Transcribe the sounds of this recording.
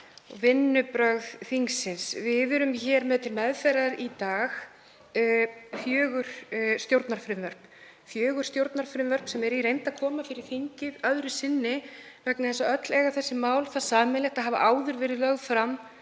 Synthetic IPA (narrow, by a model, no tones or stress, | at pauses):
ɔɣvɪnːʏpɾœɣðθiŋksɪnsvɪðʏɾʏmçɛːɾmɛðt̪ʰɪlmɛðfɛɾaɾit̪aːx | fjœːɣʏɾ̥st̪jowɾt̪naɾ̥fɾɪmvœɾ̥p | fjœːɣʏɾ̥st̪jowɾt̪naɾ̥fɾɪmvœɾ̥psɛmɛɾiɾejnt̪aðkʰɔːmafɪɾɪɾ̥θiɲcɪðœðɾʏsɪnːɪ | vɛknɪθɛsaœt̪lɛɣaɾθɛsːɪmaːwlθaðsaːmɛlɛxt̪aɦaːva̰ʔawðʏɾvɪɾɪlœɣðfɾam